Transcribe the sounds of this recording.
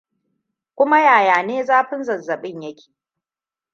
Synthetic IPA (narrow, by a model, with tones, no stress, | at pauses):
kʷʊ˦ma˦jaː˨jaː˨neː˦zaː˦ɸɪ˦nzɐ˨zːɐ˨ɓɪ˦ɲjɐ˦kʲe̥ː˨